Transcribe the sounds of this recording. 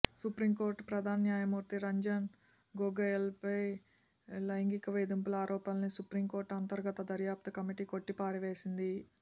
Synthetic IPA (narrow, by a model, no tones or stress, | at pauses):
supɾimkoːɾʈpɾɐd̪ʱaːnɐnjaːjɐmuːɾt̪iɾɐɲd͡ʒɐn | ɡoɡɐjɐlpɐj | lɐjŋɡikɐʋeːd̪impulaːɾʔɔːpɐlɐnisupɾimko̞ːɾʈɐnt̪ɐɾɡɐt̪ɐd̪ɐɾjaːp̚t̪ɐkɐmiʈiːko̞ʈːipaːɾiʋe̞ːsind̪i